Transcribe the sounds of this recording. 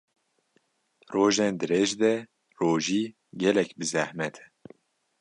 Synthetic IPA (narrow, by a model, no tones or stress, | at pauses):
roːʒend̪ɨɾeʒd̪ɛ | roːʒiː | ɡɛlɛkbɨzæhmɛt̪ʰɛ̥